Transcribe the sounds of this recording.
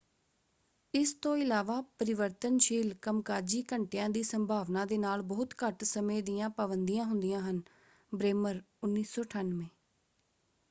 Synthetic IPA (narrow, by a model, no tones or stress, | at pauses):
ɪst̪õːɪlaːʋaːpəɾɪʋəɾt̪ənʃiːlkəmkaːd͡ʒiːkəɳʈeːãːd̪iːsəmbʱaːʋnãːd̪eːnaːlbɔːʊt̪kəʈsəmẽːd̪iːjãːpaːbənd̪ijãːɦʊnd̪ijãːɦən | bɾeːməɾ | ʊnːiːsɔːʈʰaːnʋẽː